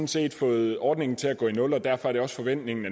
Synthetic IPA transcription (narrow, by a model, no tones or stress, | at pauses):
n̩se̝̰ːd̥fɔ̽ːð̩ˠɒːd̥ne̝ŋn̩t͡sʰe̝læɡ̥ɔ̰ːinɔ̽lɒ̽d̥æɐ̰fɒ̽æɐɾ̥e̝ɒ̽sfɒ̽ʋen̰d̥ne̝ŋn̩æ